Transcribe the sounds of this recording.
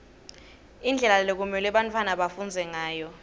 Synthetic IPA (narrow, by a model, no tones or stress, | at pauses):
ind͡ɮʱɛlalek̬umɛlɛɓantʰwanaɓafund͡zʱɛŋaːjɔ